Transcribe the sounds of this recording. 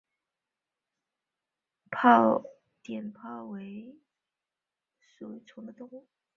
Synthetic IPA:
pʰɑ˥˩ʊ | t̪jɛ˨˩npʰɑ˥˩ʊwe˧˥ɪ | su˨˩˥t͡sʰʊ˧˥ŋd̪ə˧t̪ʊ˥ŋ

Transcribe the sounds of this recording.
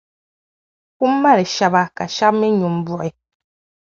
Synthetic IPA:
ku˦mː˦a˦ɾi˨ʃa˨ba˦˨ka˨ʃa˦p̚mi˦ɲu˨mbɔ˨ʔi˨

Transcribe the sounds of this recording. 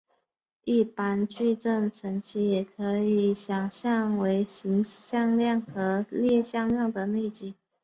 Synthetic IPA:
i˥˩pa˥nt͡ɕy˥˧ʈ͡ʂə˥˩ŋʈ͡ʂʰə˧˥ŋt͡ɕʰi˧˥jɛ˨˩kʰɤ˧˥i˨˩ɕjɑ˨˩ŋɕjɑ˥˩ŋwe˧˥ɪɕi˧˥ŋɕjɑ˥˧ŋljɑ˥˩ŋxɤ˧˥ljɛ˥˧ɕjɑ˥˧ŋljɑ˥˩ŋd̪ə˨ne˥˧t͡ɕi˥˩

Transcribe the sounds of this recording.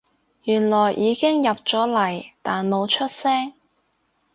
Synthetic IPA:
jyː˨˩nlɔː˨˩jʔiː˨˧kɪ˥ŋjɐ˨p̚t͡sɔː˨˥lɐ˨˩jt̪aː˨nmo˨˧wt͡ʃʰɵ˥t̚sɛː˥ŋ

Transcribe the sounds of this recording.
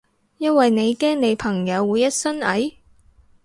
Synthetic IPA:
jɐ˥nwɐ˨jne˨˧jkɛː˥ŋne˨˧jpʰɐ˨˩ŋjɐ˨˧wːuː˨˧jːɐ˥t̚sɐ˥nɐ˨˥j

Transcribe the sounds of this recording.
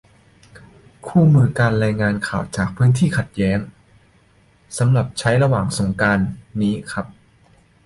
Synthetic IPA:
kʰuː˥˩mɯː˧kaː˧nɾaː˧jŋaː˧nkʰaː˨˩wt͡ɕaː˨˩k̚pʰɯː˦˥nt̪ʰiː˥˩kʰa˨˩t̪̚jɛː˦˥ŋ | sa˩˦mɾa˨˩p̚t͡ɕʰa˦˥jɾa˧waː˨˩ŋso˩˦ŋkaː˧nːiː˦˥kʰɾa˦˥p̚

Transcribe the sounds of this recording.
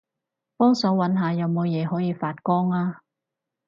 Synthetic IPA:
pɔː˥ŋsɔː˨˥wɐ˨˥nɦaː˨˧jɐ˨˧wmo˨˧wjɛː˨˧˥ɦɔː˨˥jiː˨˧faː˧t̚kɔː˥ŋaː˧

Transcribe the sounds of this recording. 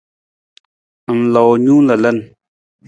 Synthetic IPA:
ʔə˨mla˨wɲu˦lə˨lə˦˨n

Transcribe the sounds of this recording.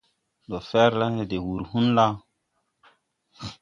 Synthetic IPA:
do˨fɛ˦ɾla˦he˨de˨wu˨ɾhu˦nla˦

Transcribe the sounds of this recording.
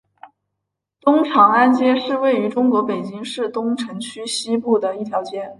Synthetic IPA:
t̪ʊ˥ŋʈ͡ʂʰɑ˨˥ŋa˥nt͡ɕjɛ˥ʂɻ̩˥˧we˥˩ɪy˧˥ʈ͡ʂʊ˥ŋkwɔ˧˥pe˨˩ɪt͡ɕi˥ŋʂɻ̩˥˩t̪ʊ˥ŋʈ͡ʂʰɤ˧˥ŋt͡ɕʰy˥ɕi˥pu˥˩d̪ə˩i˥˩t̪ʰjɑ˧˥ʊt͡ɕjɛ˥n

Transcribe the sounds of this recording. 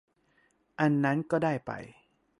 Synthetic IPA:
ʔa˧nːa˦˥nkɔː˥˩daː˥˩jpa̰˨j

